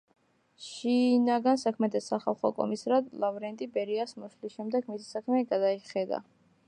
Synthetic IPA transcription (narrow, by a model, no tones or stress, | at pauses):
ʃinaɡansakʰmɛd̪ʰɛsaχa̰lˠχɔkʼɔ̰misɾad̪lˠavɾɛnt̪ʼibɛɾiasmuslisʃɛmd̪ɛɡmisi̥sakʰmɛɡad̪aiχɛd̪a̰